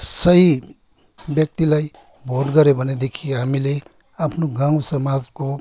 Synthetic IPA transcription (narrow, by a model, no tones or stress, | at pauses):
sʌɦi | bjʌk̚t̪ilaj | bʱodɡʌɾebʱʌned̪ekʰijeɦamile | apʰnoɡãw̃sʌmad͡zko